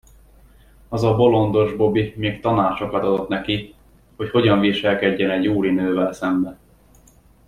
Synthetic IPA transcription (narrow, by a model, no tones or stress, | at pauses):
ɒzɒbo̞lo̞nd̪o̞ʒbo̞bimeːkt̪ɒnaːt͡ʃo̞kɒt̪ɒd̪o̞t̪nɛki | ho̞cho̞ɟɒɱviʃɛlkɛɟːɛnɛɟjuːɾinøːvɛlsɛmbɛ